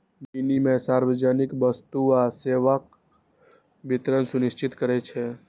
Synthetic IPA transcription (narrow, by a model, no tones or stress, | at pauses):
binimẽsaːɾʋəd͡ʒanikbəst̪uaseːʋak | bɪt̪ɾənsʊnɪʃt͡ʃɪt̪kəɾɛt͡ʃʰɛ